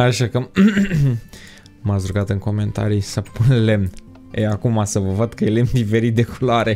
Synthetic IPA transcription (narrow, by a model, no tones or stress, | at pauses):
aʃakə | masɾuɡat̪ɨŋko̞me̞nt̪a̰ɾisəpunle̞mn | ḛjakumasəvəvəd̪̚kəjele̞mnd̪ife̞ɾit̪̚d̪e̞kuloaɾe